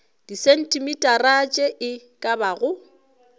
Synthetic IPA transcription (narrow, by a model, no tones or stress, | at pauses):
d̥isɛn̩tʼimitʼarat͡ʃʼɛʔɪ | kʼabaɣʊ